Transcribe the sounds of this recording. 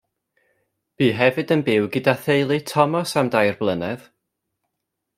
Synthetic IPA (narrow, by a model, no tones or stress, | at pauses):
b̥iːɦɛvɨdənbɪwɡɪdaθejlˠitʰɔmɔsamdajrblˠənɛð